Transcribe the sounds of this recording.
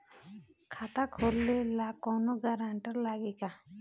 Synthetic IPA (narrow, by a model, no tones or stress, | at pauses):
kʰat̪akʰoɾlelakɔ̃nuɡaɾaɳʈəɾlaːɡika